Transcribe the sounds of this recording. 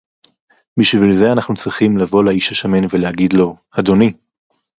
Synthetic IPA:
biʃvilze̞anaχnut͡sʁiχimlavo̞laiʃaʃamenvelehaɡidlo̞ | ado̞ni

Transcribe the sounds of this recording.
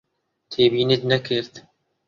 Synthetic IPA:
t̪ʰeːbiːnid̪nɛkʰɨɾt̪

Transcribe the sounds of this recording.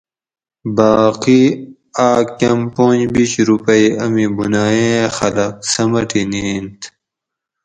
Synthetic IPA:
baːqi | aːkɐmpõːɲd͡ʑbit͡ɕɾupɐiɐmibunaːẽxɐlɐk̚sɐmɐʈiniːnt̪

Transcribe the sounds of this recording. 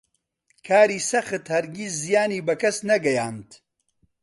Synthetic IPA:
kʰaːɾiːsɐxɨt̪hɐɾɡisːijaːniːbɐkɐsnɐɡɐjaːnt̪

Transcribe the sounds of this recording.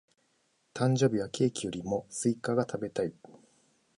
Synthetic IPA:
t̪ãɲ̟d͡ʑo̞ːbʲiβakʲʰe̞ːkʲijo̞ɾʲimo̞sɨikaɡat̪ʰabe̞t̪ai

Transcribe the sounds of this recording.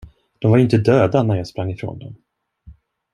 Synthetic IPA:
d̪̥ɔmvaɾɪnt̪əd̪øːd̪anæɾjaːɡspɾaŋːɪfɾo̰ːnd̪ɔm

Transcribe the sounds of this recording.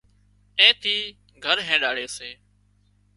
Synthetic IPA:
ẽːt̪ʰiː | ɡʱəɾɦẽːɗaːɽeːseː

